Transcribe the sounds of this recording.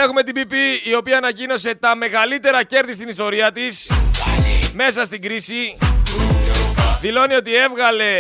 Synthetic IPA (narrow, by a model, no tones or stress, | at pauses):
e̞xume̞t̪ibipiːo̞piɐːnɐcino̞se̞t̪ɐme̞ɣɐlit̪e̞ɾɐce̞ɾðist̪inist̪o̞ɾiɐt̪is | me̞sɐst̪iŋɡɾisi | ðilo̞nio̞t̪ie̞vɣɐle̞